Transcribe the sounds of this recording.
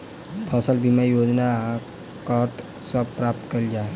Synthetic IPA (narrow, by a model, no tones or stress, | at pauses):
pʰɐsəlbʱimajoːd͡ʒna | kəɦt̪ | səbpɾaːp̚t̪kəld͡ʒaːe